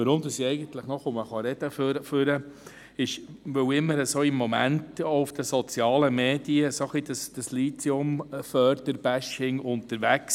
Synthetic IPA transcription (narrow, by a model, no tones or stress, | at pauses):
ʋəɾʊmd̪əsiɛɪɡənt̪ləχnɔχʊməχɑɾɛd̥̪əføɾəføɾə | ɪʃʋɵwɪmːəɾəsoːɪmːomæntoufd̥̪əsɔt͡sjɑːləmeːd̥iəsoχlid̪əsd̥əsliːt͡siʊmfœːɾd̪̥əɾb̥æʃɪŋʊnt̪əɾʋæks